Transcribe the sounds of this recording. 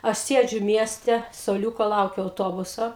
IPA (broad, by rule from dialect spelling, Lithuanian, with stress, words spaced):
ɐʃ ˈsʲiɛd͡ʒʲʊ ˈmʲiɛsʲtʲɛ suɔˈlʲuːkoː ˈlˠɐʊkʲʊ ɐʊˈtoːbʊsoː